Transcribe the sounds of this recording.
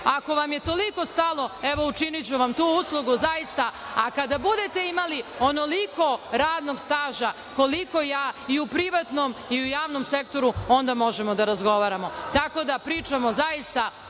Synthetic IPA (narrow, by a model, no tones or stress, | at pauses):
ako̞ʋamje̞t̪o̞liko̞st̪alˠo̞eʋo̞ut͡ʃinit͡ɕuʋamt̪uːuslˠuɡuzajist̪aakad̪abud̪e̞t̪e̞imalionolikʰo̞ɾaːd̪no̞ɡst̪aːʒa | ko̞liko̞jaːiupɾiʋat̪nomiujaːʋno̞mse̞kt̪o̞ɾuo̞nd̪amo̞ʒe̞mod̪aɾazɡo̞ʋaːɾamo̞t̪ako̞d̪apɾiːt͡ʃamo̞zajist̪a